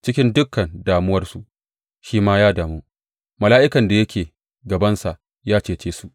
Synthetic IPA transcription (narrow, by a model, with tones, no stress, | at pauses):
t͡ʃɪ˦kʲɪ˦ndʊ˦kːɐ˨ndaː˨mʊ˦wɐ˦rsu˨ʔ | ʃiː˦maː˦jaː˦daː˨muː˦ | mɐ˨laː˦ʔɪ˦kɐ˨nda˨jɐ˦kʲeː˨ | ɡɐ˨bɐ˦nsa˨ʔ | jaː˦t͡ʃeː˦˨t͡ʃeː˦su˨ʔ